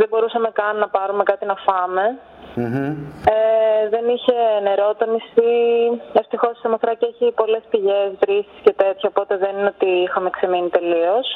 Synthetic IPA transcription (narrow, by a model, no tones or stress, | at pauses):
ðebo̞ɾusɐme̞kɐnːɐpɐɾume̞kɐt̪inɐfɐme̞ | eðe̞niçe̞ne̞ɾo̞t̪onisieft̪ixo̞ssɐmɐθɾɐceçipo̞le̞spiʝe̞sðɾisi̥sce̞t̪e̞t̪çooːpo̞t̪e̞ðe̞niot̪iixɐme̞kse̞minit̪e̞lio̞s